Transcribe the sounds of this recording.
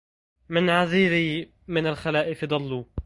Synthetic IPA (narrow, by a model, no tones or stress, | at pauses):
mɪnʕaziːɾi | mɪnalxalaːʔɪfd̪ˤɑlːu